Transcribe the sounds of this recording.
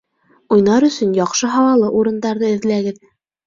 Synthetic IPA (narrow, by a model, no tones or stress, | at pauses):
ujnɑɾɵ̆sɵ̆njɑqʃɤɦɑwɑlˠɤʔuɾɤ̆nd̪ɑɾðɤɘ̆ðlæɡɘð